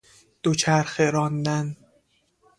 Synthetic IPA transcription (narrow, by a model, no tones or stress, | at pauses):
d̪̥ot͡ʃʰæɾxeɾɒnd̪æn